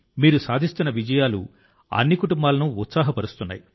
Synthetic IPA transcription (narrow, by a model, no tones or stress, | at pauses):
miːɾusaːd̪ʱist̪unːɐʋid͡ʒɐjaːlṵ | ɐ̰nːikuʈumbaːlɐnuːt̪saːɦɐpɐɾust̪unːa̰ːji